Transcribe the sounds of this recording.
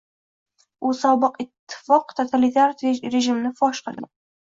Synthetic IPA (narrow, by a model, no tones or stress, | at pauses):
ʔusɒbɨqɪt̪ʰːɪ̥fɒqt̪ʰot̪ʰalit̪ʰaɾɾeʒɪmnɪfɒʃqəlɪ